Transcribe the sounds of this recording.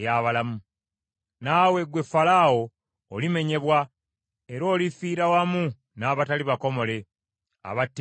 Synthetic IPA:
jaβalamu | naːwe̞ɡwe̞falawo̞ː | lime̞ɲe̞βwa | e̞ɾo̞ːlifiːɾawamu | naːβataliβako̞mo̞le̞ | a̰βatː

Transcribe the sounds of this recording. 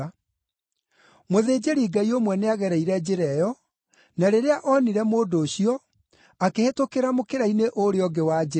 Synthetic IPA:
moðeːd͡ʑeɾiːɡaiomwɛneaɣɛɾɛiɾɛd͡ʑeɾɛjɔ | naɾeɾeaʔɔniɾɛmoːdoːɕiɔ | akehetokeɾamokeɾaineʔoɾeɔɡewad͡ʒe

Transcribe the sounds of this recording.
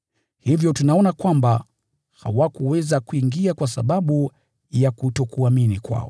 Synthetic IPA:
hivjɔtunaɔnakwamba | ha̰wakuwɛzakuiŋɡiakwasa̰ɓaɓu | jakutɔkuaminikwa̰ɔ̰

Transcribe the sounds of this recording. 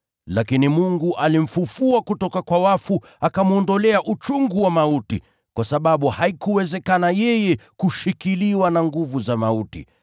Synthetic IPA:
lakinimuŋɡuʔalim̩fufuakutɔkakwawafu | akamuɔndɔlɛaʔut͡ʃuŋɡuwamautḭ | kwasaɓaɓuhaikuwɛzɛkanajɛjɛkuʃikiliwanaŋɡuvuzamautḭ

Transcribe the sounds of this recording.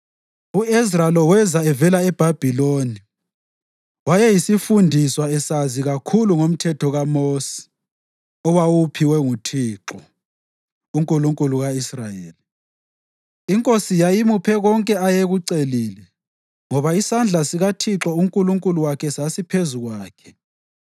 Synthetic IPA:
uisralɔwɛzaɛvɛlaɛb̥ʱab̥ʱiloni | wajɛjisifundʱiswaɛsaziɣakʰuluŋom̩tʰɛtʰɔɣamosɛ̥ | ɔwawupʰiwɛŋutʰiːǁɔ | uŋkʼuluŋkʼuluɣaisrajḛːli | iŋkʼosijajimupʰɛɣɔŋkʼɛajeɣuǀeliːlɛ | ŋɔβaisand͡ɮʱasiɣatʰiǁɔuŋkʼuluŋkʼuluwakʰɛsasipʰezuɣwaːkʰɛ̥

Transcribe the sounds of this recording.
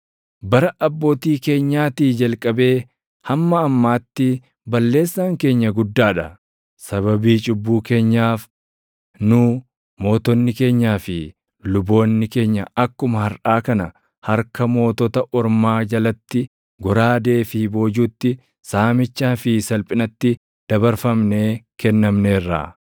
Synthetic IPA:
bɐɾɐʔɐbːoːt̪iːke̞ːɲːaːt̪iːd͡ʒɐlkʼɐbe̞ː | hɐmːɐːmːaːt̪ːɪ | bɐlːe̞ːsːaːŋke̞ːɲːɐɡʊd̪ːaːᶑɐ | sɐβɐbiːt͡ʃʼʊbːuːke̞ːɲːaːf | nʊː | mo̞ːt̪ɔnːɪke̞ːɲːaːfɪ | lʊbo̞ːnːɪke̞ːɲːɐɐkːʊmɐhɐɾʔaːkɐnɐ | hɐɾkɐmo̞ːt̪ɔt̪ɐʔɔɾmaːd͡ʒɐlɐt̪ːɪ | ɡɔɾaːd̪e̞ːfɪbo̞ːd͡ʒuːt̪ːɪ | saːmɪt͡ʃːaːfɪsɐlpʼɪnɐt̪ːɪ | d̪̥ɐbɐɾfɐmne̞ːkɛnːɐmne̞ːrːa̰ː

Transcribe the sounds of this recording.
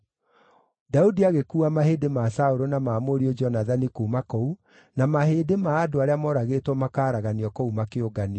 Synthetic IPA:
daudiaɣekuːamahedemasaoɾonamaːmoɾiod͡ʒɔnaðanikuːmakou | namaheːdemaːdoaɾeamɔɾaɣetwɔmakaːɾaɣaniɔkoumakeoɡani

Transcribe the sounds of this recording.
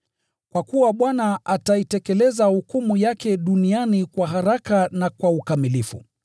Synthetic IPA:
kwakuwaɓwanaʔataitɛkɛlɛzahukumujakɛɗunianikwaɦaɾakanakwaukamilifṵ

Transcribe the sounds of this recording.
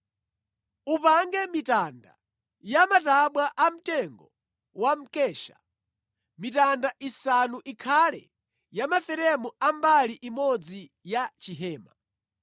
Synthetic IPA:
upaŋɡɛmitanda̰ | jamataɓwaʔam̩tɛŋɡɔ | wam̩kɛːʃa̰ | mitandaʔisanuʔikʰalɛ̰ | jamafɛɾɛmuambaliʔimɔd͡zi | jat͡ʃiɦɛːma̰

